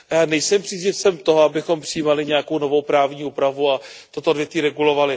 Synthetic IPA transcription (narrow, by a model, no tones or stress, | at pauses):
jaːnɛjsɛmpr̥iːzɲɪfsɛmt̪oɦoabɪxo̞mpr̥ɪjiːmalɪɲɛako̞wno̞vo̞wpɾaːvɲiːuːpɾavuat̪ot̪odvjɛt̪viːɾɛɡulo̞valɪ